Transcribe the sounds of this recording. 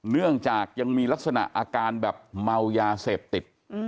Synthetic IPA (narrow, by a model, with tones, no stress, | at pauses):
nɯ˥˩əŋt͡ɕaː˨˩k̚ja˧ŋmiː˧la˦˥k̚sa˧na̰˨˩ʔaː˧kaː˧nbɛː˨˩p̚ma˧wjaː˧seː˨˩p̚t̪i˨˩t̪̚